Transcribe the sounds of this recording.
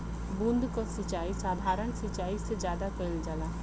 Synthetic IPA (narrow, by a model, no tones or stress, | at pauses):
bund̪kosət͡ʃaːisaːd̪ʱaːɾəɳ̃sət͡ʃaːised͡ʒjaːd̪akəɾəld͡ʒala